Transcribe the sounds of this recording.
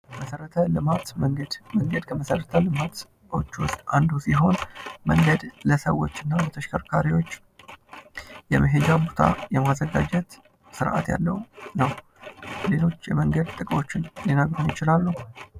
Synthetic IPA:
məsəɾət̪ʰəlɨmat̪məŋɡəd̪məŋɡəd̪kʰəməsəɾət̪ʰəlɨmat̪ | o̞̰t͡ʃːwʊst̪ʼand̪usiɦo̞nməŋɡəd̪ləsəwːo̞̰t͡ʃːɨnːalət̪ʰəʃkʰəɾkʰaɾiwo̞t͡ʃː | jɛməɦe̞d͡ʒabot̪ʰa̰jɛmazːəɡad͡ʒɛt̪ | sɨɾʔa̰t̪ja̰lːə̰wnəw | le̞lo̞t͡ʃːjɛ̰məŋɡəd̪̚t̪ʼɨkʼo̞t͡ʃːɪnlinəɡɾunjɪt͡ʃɪlalːəw

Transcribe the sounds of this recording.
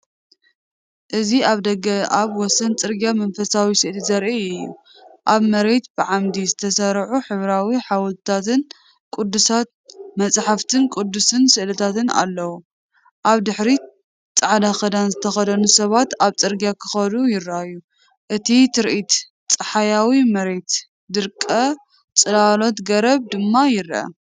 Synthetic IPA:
ʔɨziaβd̪ɐɡɐaβwɔsɐnt͡sʼɨɾɡjamɐnfɐsawisɨʔlizɐɾʔiɨjːṵ | ʔaβmɐɾe̞t̪bɨʕamd̪izɨt̪ʰɐsɐɾʕuħɨβɾawiħawlt̪t̪ʰat̪ɨn | kʼud̪ːusat̪ | mɐt͡sʼħaft̪ʰɨnkʷʼud̪ːusɨnsɨʔlɐt̪ʰat̪ɨna̰lːɐwu | ʔaβd̪ɨħɾi | t͡sʼaʕd̪axɐd̪anzɨt̪ʰɐxɐd̪ɐnusɐβat̪aβt͡sʼɨɾɡjakʰɨxɐd̪ujɪɾajːu | ʔɨt̪ʰit̪ʰɨɾʔit̪ | t͡sʼɨħajawimɐɾe̞t̪ | d̪ɨɾkʼːɐ | t͡sʼɨlalo̞t̪ɡɐɾɐβd̪ɨmːajɪɾʔɐ̰

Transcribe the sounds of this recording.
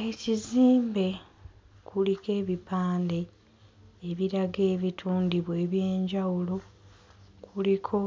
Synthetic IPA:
e̞ciziːmbe̞ | kʰulike̞ːβipaːnde̞ː | βiɾaɡe̞ːβitʰuːndiβwe̞ːβjeːɲɟawulo̞ | kʰulikʰo̞

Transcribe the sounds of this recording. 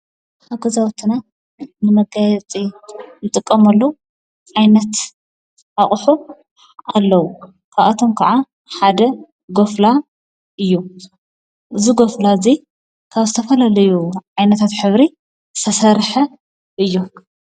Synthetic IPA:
ʔħaɡɐzawt̪ʰːɨna | nɨmɐɡajɛt͡sʼijɨt̪ʼɨkʼːɐmɐlːo | ʕajnɐt̪ | aχʼħu | alːɐwu | kʰaβʔat̪ʰomkʰaʕa | ħad̪ɐ | ɡo̞fla | ʔɨjːu | ʔɨzuɡo̞flazi | kʰaβzɨt̪ʰɐfɐlalɐjuʕajnɐt̪ʰat̪ħɨβɾi | zɨt̪ʰɐsɐɾħɐ | ʔɨjːu

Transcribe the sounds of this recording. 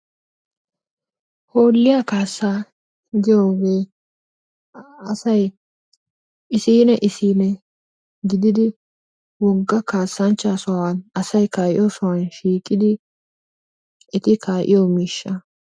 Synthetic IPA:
hoːlːɪjakaːsːaː | ɡɪjo̞ːɡe̞ː | ɐsɐj | ɪsiːnɛʔɪsiːnɛ | ɡɪd̪ɪd̪ɪ | wɔɡːɐkaːsːɐnt͡ʃːasɔwanɐsɐjkaːʔɪ̰josɔwɐnʃiːkʼːɪd̪ɪ | ʔɛt̪ɪkʰaːʔɪ̰jomiːʃːɐ

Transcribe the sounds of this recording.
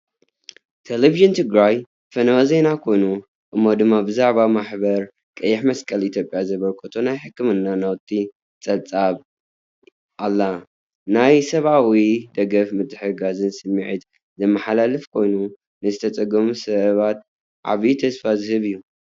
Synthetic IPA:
t̪ʰeleviʒɨnt̪ʰɨɡɾaj | fɐnɐwɐze̞nakʰo̞jnu | ʔɨmːo̞d̪ɨmːabɨzaʕβamaħbɐɾ | kʼɐjːɪħmɐskʼɐlit̪jopʼjazɐβɐlkʰʼot̪ʰonajħɨkʰːɨmɨnːanawt̪ʰʼi | t͡sʼɐβt͡sʼaβ | ʔalːa | najsɐβʔawid̪ɐɡɐfmɨt̪ʰʼːɨħɨɡazɨnsɨmːiʕit̪ | zɨmːɐħalalɨfkʰo̞jnu | nɨzɨt̪ʰɐt͡sʼɐɡɐmusɐβat̪̚ | ʕa̰βit̪ʰɐsfazɨhɨβijːu

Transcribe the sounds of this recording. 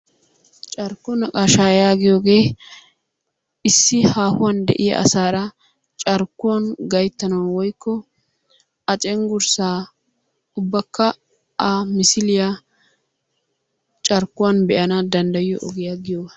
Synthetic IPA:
t͡ʃʼɐɾkːɔnɐkʼaːʃaːjaːɡɪjoːɡe̞ː | ɪsːɪhaːhʊwɐnd̪ɛ̰ʔɪjɐ̰ʔɐ̰saːɾɐ | t͡ʃʼɐɾkːʊwɐnɡɐjt̪ːɐnɐwwɔjkːɔ | ɐt͡ʃʼɛŋɡʊɾsaː | ʊbːɐkːɐ | amɪsɪlɪja | t͡ʃʼɐɾkːʊwanbɛʔɐnɐd̪ɐnd̪ɐjɪjɔʔɔɡɪjaːɡɪjɔwɐ

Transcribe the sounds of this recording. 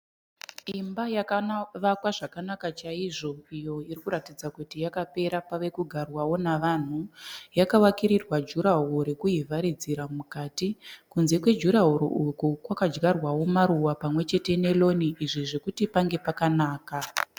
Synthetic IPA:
imbajakaʋakwaʐakanakat͡ʃaiʐo̞ijo̞iɾikuɾatid͡zakutijakape̞ɾapaʋe̞kuɡʱarwawo̞naʋan̤ujakawakiɾirwad͡ʒuɾaɦoɾekuivaɾid͡ziɾamukaːtikunze̞kwe̞d͡ʒuɾaɦuɾo̰ukukwakad͡ʒɡarwawo̞maɾuwapamwe̞t͡ʃe̞te̞ne̞lo̞niʔiʐiʐekutipaŋɡe̞pakanaːka

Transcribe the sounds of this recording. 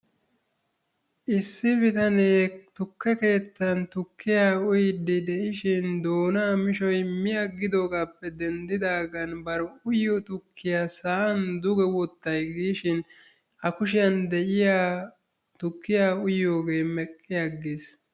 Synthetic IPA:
ʔɪsːɪbɪt̪ɐneːt̪ʊkːɛke̞ːt̪ːɐnt̪ʊkːɪjaːʊjɪd̪ɪd̪ɛʔɪʃɪnd̪o̞ːnaːmɪʃɔjmɪjɐɡːɪd̪o̞ːɡaːpːɛd̪ɛnd̪ɪd̪aːɡɐnbɐɾɔʊjːɔt̪ʊkʰːɪjasaːɐnd̪ʊɡɛwɔt̪ːɐjɡiːʃɪn | ɐkʊʃ̬ɪjɐnd̪ɛʔɪjaː | t̪ʊkːɪjaːʊjo̞ːɡe̞ːmɛkʼːɪjaɡis

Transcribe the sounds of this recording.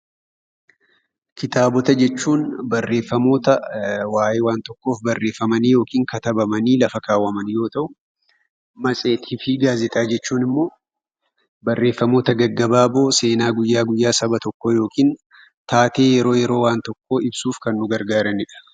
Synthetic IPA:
kɪt̪aːbɔt̪ɐd͡ʒɛt͡ʃːuːnbɐrːe̞ːfːɐmo̞ːt̪ɐwaːʔeːwaːnt̪ɔkːo̞ːfbɐrːe̞ːfːɐmɐniːjo̞ːkiːŋkɐt̪ɐbɐmɐniːlɐfɐkaːwːɐmɐnjo̞ːt̪ɐʔʊ | mɐsʼe̞ːt̪ʰiːfɪɡaːzɛt̪ʼaːd͡ʒɛt͡ʃːuːnɪmːo̞ː | bɐrːe̞ːfːɐmo̞ːt̪ɐɡɐɡːɐbaːbo̞ːse̞ːnaːɡʊjːaːɡʊjːaːsɐbɐt̪ɔkːojo̞ːkiːn | t̪aːt̪e̞ːjɛɾo̞ːjɛɾo̞ːwaːnt̪ɔkːoːɪbsuːfkɐnːʊɡɐɾɡaːɾɐnɪᶑɐ̥

